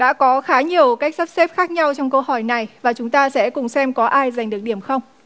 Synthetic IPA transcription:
ɗa̰ː˧˥kɔ˨˦xaː˨˦ɲi˨˩əwka˦˥jk̟̚sa˦˥p̚se˦˥p̚xaː˦˥k̚ɲa˧wt͡ɕɔ˧wŋ͡mkə˧whɔ˧˩jna˨˩jvaː˨˩t͡ɕʊ˨˦ŋ͡mt̪aː˧sɛ̰˧˥kʊ˨˩ŋ͡msɛ˧mkɔ˨˦ʔaː˧jza˨˩jŋ̟ɗɨ˨˩ək̚ɗi˧˩əmxə˧wŋ͡m

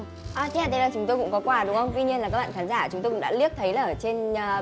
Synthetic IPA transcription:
ʔaː˨˩t̪ʰe˦aː˨˩ə˨˦laː˨˩t͡ɕʊ˨˦ŋ͡mt̪o˧jkʊ̰˧˥ŋ͡mkɔ˨˦kwaː˧ɗʊ˨˦ŋ͡mxə˧wŋ͡mt̪wi˧ɲi˧əna˨˩kaː˦˥ɓa̰ː˧˨kaː˨˦nzaː˧˩t͡ɕʊ˨˦ŋ͡mto˧kʊ̰˧˥ŋ͡mɗ̰ːli˦˥ək̚t̪ʰə˨˦jlaː˨˩ʔə˨˩t͡ɕe˧nː˨˩

